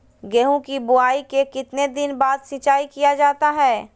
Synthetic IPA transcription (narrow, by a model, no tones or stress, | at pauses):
ɡɛːɦõkibʊaːikekɪt̪ned̪ɪnbaːd̪sɪt͡ʃaːikijad͡ʒaːt̪aɦɛː